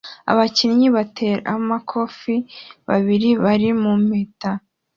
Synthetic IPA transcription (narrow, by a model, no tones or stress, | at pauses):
a̰βacinɲiβatʰeːɾa̰makʰo̞fiβa̰βiɾiβaɾimumeta